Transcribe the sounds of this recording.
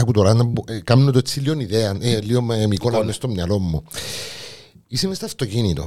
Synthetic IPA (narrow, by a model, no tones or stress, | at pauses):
ɐkut̪oɾanɐukamnet̪oet͡sːilioniðeɐneliommikonɐnest̪omɲɐlomːu | isemest̪ɐft̪ocinit̪o̰